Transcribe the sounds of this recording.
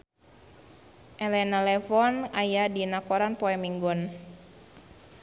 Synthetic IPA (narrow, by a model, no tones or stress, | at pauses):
ʔɛlɛnalɛfɔnajadinakɔɾanpɔɛmiŋɡun